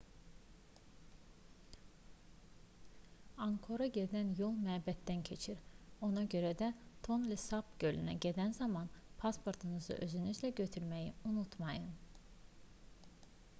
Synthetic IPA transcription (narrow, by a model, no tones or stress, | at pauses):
aŋkʰo̞ɾaɟed̪ænjolˠmæbɛt̪ːæncʰe̞t͡ʃʰiɾo̞nɑɟø̞ɾɛd̪ɛt̪ʰo̞nlʲɛsapɟø̞lʲynɛ̰ɟe̞d̪ænzamanpʰaspʰo̞ɾt̪ʰɯnɯzɯ̰ʔøzynyzlʲɛɟø̞t̪ʰyɾmejiunut̪ʰmajɯn